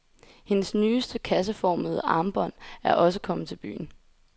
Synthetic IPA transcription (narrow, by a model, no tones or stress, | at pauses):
he̝nəsnyːsd̥əkʰæs̬əfɒ̰ːməð̩ˠəʔɑ̈ːmb̥ɒ̽n̰æɐʔɒ̽səkʰɒ̽mð̩ˠt͡sʰe̝lb̥y̰ːn̩